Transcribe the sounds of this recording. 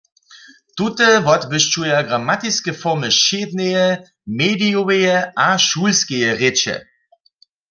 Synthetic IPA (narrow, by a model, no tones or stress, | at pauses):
t̪ut̪əvɔt̪bɪʃt͡ʃujaɡʁamat̪iskəfɔʁməʃeːd̪nɛjɛ | meːdijoʋejɛʔaʃuːlskejɛʁet͡ʃɛ̰